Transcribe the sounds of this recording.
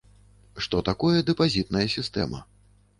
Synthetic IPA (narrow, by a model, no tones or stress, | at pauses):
ʂt̪ɔt̪akɔjɛd̪ɛpazʲit̪nɐjɐsʲist̪ɛ̰mɐ̰